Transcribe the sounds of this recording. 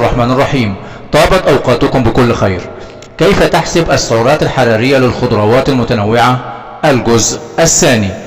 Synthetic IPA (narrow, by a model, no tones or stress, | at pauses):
rˤːɑħmaːnɑrˤːɑħiːm | t̪ˤɑːbɑt̪ˤʔɑwqɑːt̪ʊkʊmbɪkʊlːxajɾ | kajfat̪aħsɪbʔasːʊʕuːɾˤɑːt̪alħɑɾˤɑːɾɪjːalɪlxʊd̪ɾˤɑːwɑːt̪almʊt̪anawːɪʕa | ʔalɡʊzʔʔasːaːni